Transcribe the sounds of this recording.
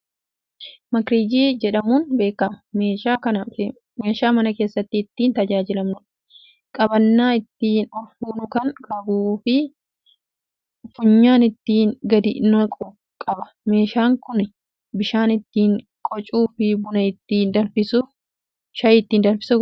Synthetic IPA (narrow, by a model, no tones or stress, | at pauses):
mɐkɾiːd͡ʒiːd͡ʒɛᶑɐmuːnbe̞ːkːɐmɐ̥meːʃaːkɐnɐɪ | me̞ːʃaːmɐnɐke̞ːsːɐt̪ːɪːt̪ːiːnt̪ɐd͡ʒaːd͡ʒɪlɐmnʊᶑ | kʼɐbɐnːaːɪt̪ːiːnɔɾfuːnʊkɐnkʼɐbuːfɪ | fʊɲːaːnɪt̪ːiːnɡɐd̪ɪ̰nɐkʼɔ | kʼɐbɐ̥ | me̞ːʃaːŋkʊn | bɪʃaːnɪt̪ːiːŋ | kʼɔt͡ʃʼuːfɪbʊnɐɪt̪ːiːnd̪ɐnfɪsʊ | ʃɐjɪt̪ːiːnd̪ɐnfɪ̥sʊ